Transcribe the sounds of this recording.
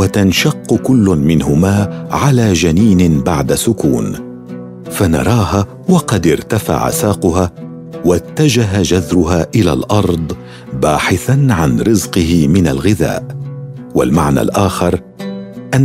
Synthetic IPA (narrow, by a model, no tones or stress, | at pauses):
wat̪anʃɑqːʊkʊlːʊnmɪnɦʊmaːʕalaːd͡ʒaniːnɪbaʕd̪asʊkuːn | fanɑ̰ɾˤɑːɦaː | wɑqɑd̪ɪɾt̪afa̰ʕa̰saːqʊɦaː | wat̪ːad͡ʒaɦad͡ʒazɾʊɦaːʔɪla̰ːlʔɑɾˤd̪ˤ | baːħɪθanʕanɾɪzqɨɦɪmɪnalɣɪða̰ːʔ | wa̰lmaʕna̰ːlʔaːxɪɾˤ | ʔanː